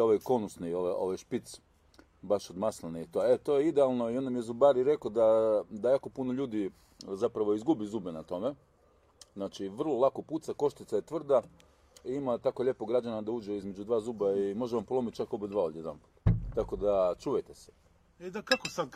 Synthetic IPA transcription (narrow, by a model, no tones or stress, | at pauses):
oʋajko̞nusnioʋao̞̰ʋajʃpit̪s | baʃod̪maslaniit̪oet̪o̞jeid̪ealˠno̞io̞nd̪amijezubaɾiɾe̞kod̪ad̪ajaːko̞punoʎuːd̪i | zapɾaʋo̞izɡubizuːbenat̪o̞me̞ | znat͡ʃiʋr̩lˠolˠako̞puːt̪sako̞ʃt̪it̪sajet̪ʋr̩d̪a | iimat̪akoʎe̞poɡɾad͡ʑanad̪auːd͡ʒeizme̞d͡ʒud̪ʋaːzuːbaimo̞ʒeʋampolo̞mit̪̚t͡ʃakobid̪ʋaːod̪jed̪a̰mpu̥t̪t̪ako̞d̪at͡ʃuːjet̪e̥se̥ | ed̪akakosad̪